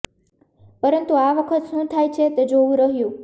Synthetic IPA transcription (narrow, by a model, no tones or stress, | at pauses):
pəɾənt̪uaʋəkʰət̪ʃũt̪ʰajt͡ʃʰet̪ed͡ʒoʋũɾəɦjũ